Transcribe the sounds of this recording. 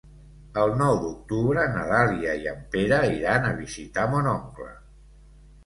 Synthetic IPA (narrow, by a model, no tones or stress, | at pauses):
əlˠnɔwd̪uk̚t̪uβɾənəðaliəiəmpeɾəiɾanəβizit̪amonɔŋklə̰